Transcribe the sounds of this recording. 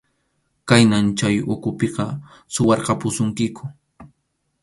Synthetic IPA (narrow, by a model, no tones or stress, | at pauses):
kajnamt͡ʃajʊkʊpeqɑ | sʊwɑɾqɑpʊsʊŋkɪkʊ̥